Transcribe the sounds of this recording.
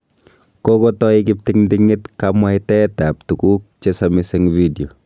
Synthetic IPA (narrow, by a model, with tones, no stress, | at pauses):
ko˦ko˦tɔi˦kɪ˦p̚tɪŋndɪŋɪ˦tkama˦ɪtɛ˦ta˨p̚tu˨ku˦k̚t͡ʃesami˦se˦ŋvi˦djo˨